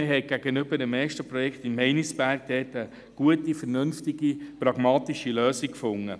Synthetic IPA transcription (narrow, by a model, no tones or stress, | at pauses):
ɪɦɛɪɡ̥æɡ̥ənʏb̥ədəmɛːʃtəpɾɔjɛkχt̪ɪmːɛɪnisb̥æɾɡ̥d̥̪ɛːtə | ɡ̥uətifəɾnɵnftiɡipɾɑɡ̥mɑːt̪iʃiløːsikfʊŋːə